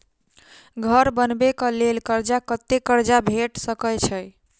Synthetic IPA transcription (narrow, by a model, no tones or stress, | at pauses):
ɡʱəɾbənbekəlelkəɾd͡ʒakət̪ekəɾd͡ʒabʱeʈsəkəjt͡ʃʰəj